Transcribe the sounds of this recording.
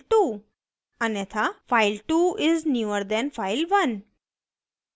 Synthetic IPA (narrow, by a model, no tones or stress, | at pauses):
ʈu | ənɛt̪ʰafaɪlʈuɪznjuəɾd̪ɛ̃nfaɪlʋə̃n